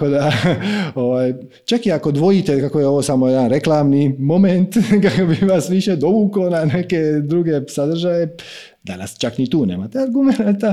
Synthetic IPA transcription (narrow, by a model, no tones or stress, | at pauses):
akod̪a | o̞ʋaːj | t͡ʃakiako̞d̪ʋo̞jit̪ekako̞jeoʋo̞ːsamojed̪anɾe̞klaːmnimo̞ment̪kakobiʋasʋiʃed̪o̞bukonaneke̞d̪ɾuɡe̞sad̪r̩ʒaje̞ | d̪a̰na̰st͡ʃaknit̪uːneːmat̪eaɾɡumenat̪a